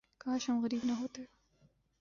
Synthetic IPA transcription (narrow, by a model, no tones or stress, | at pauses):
kaʃamɣɐɾiːbnaɦoːt̪e